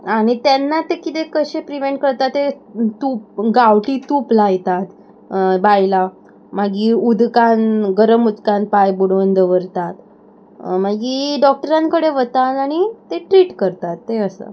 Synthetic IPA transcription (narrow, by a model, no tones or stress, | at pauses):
aɽ̃it̪jɛnːat̪ekit̪ekəɕepɾiʋeɳʈ̚kəɾt̪at̪ːet̪up̚ɡaʋʈiːt̪uːplajt̪at̪ | bajla | maɡiːud̪kanɡəɾəmud̪kanpajbuɽʋənd̪əʋəɾt̪at̪ | maɡiːɖɔk̚ʈəɾãŋkəɽeʋət̪at̪aɽ̃it̪eʈɾiːʈkəɾt̪at̪ːeəsə̰